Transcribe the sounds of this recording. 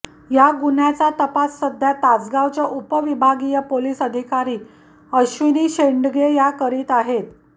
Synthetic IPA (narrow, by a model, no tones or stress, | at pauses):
jaɡunjat͡sat̪əpasːəd̪ʱjat̪ad͡zɡaʋt͡ɕjaʔupəʋibʱaɡijəpoliːsəd̪ʱikaɾiː | əɕʋiniːɕeɳɖɡejakəɾiːt̪aɦet̪